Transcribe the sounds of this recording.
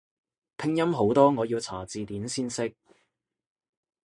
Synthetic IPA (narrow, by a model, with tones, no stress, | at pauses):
pʰɪ˥ŋjɐ˥mɦo˨˥wt̪ɔː˥ŋɔː˨˧jiː˧wt͡sʰaː˨˩t͡siː˨t̪iː˨˥nsiː˥nsɪ˥k̚